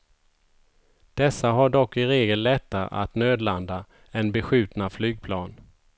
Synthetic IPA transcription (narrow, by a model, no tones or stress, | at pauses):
d̪̥ɛsːaɦaɖɔkːɪɾeːɡəlːɛt̪ːaʔa̰t̪nøːd̪land̪a | ɛnbɛɧʉ̟ːt̪naflyːɡ̚pʰlɑːn